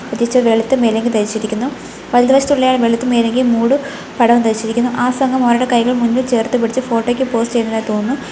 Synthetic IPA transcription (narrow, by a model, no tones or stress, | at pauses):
pɐt̪ːit͡ɕːɐʋeɭit̪ːɨme̞ːleŋɡilt̪eɾit͡ɕːiɾikʲːunːu | ʋɐlɐðɐʋɐʂɐt̪uɭːejaːɭʋeɭɐt̪ːɨme̞ːle̞ŋɡilmuːɽu | pɐɽɐʋɐmt̪eɾit͡ɕːiɾikʲːunːuʔaːsɐŋɡɐmoːɾɐɽekɐjɣɐɭmunʋut͡ɕe̞ːrt̪ɨpiɽit͡ɕːɨfo̞ːʈːo̞ːkʲːɨpo̞ːst͡ɕejunːɐðat̪oːnːɨ